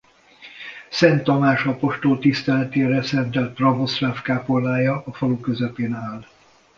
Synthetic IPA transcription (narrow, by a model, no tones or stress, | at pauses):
sɛnt̪ːɒmaːʃɒpo̞ʃt̪olt̪ist̪ɛlɛt̪eːɾɛsɛnt̪ɛlt̪̚prɒvo̞sraːfkaːpolːaːjɒʔːfɒlukøzɛpeːnaːl